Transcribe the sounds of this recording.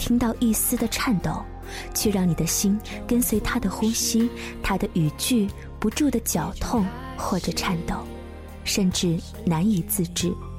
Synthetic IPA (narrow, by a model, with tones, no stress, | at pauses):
t̪ʰi˥ŋt̪ɑ˥˧ʊʔi˥˩sɹ̩˥d̪ə˨ʈ͡ʂʰa˥˩nt̪o˨˩˦ʊ | t͡ɕʰjɛ˥˧ɻɑ˥˩ŋni˨˩d̪ə˦ɕi˥n | kə˥nswe˧˥ɪt̪ʰa˥d̪ə˨xʊ˥ŋɕi˥ | t̪ʰa˥d̪ə˨ʔy˨˩t͡ɕy˥˩ | pu˧˥ʈ͡ʂu˥˩d̪ə˩t͡ɕjɑ˨˩ʊt̪ʰʊ˥˧ŋ | xwɔ˥˩ʈ͡ʂɤ˨˩ʈ͡ʂʰa˥˩nt̪o˨˩˦ʊ | ʂə˥˧nʈ͡ʂɻ̩˥˩ | na˧˥ni˨˩t͡sɹ̩˥˧ʈ͡ʂɻ̩˥˩